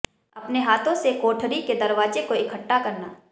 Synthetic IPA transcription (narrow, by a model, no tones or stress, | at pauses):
ɐpneɦaːt̪ʰõsekoːʈʰɾiked̪ɐɾʋaːd͡ʒekoɪkʰəʈːakɐɾnaː